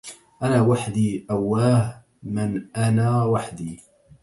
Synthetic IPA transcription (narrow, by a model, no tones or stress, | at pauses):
ʔanaːwaħd̪iːʔawːaːh | mɪnʔanaːwaħd̪iː